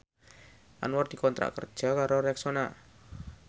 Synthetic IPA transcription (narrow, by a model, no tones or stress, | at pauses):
ʔa̰nward̪̥ikɔnt̪ɾa̰ʔkər̥d͡ʒʒ̥a̤kaɾoɾɛksona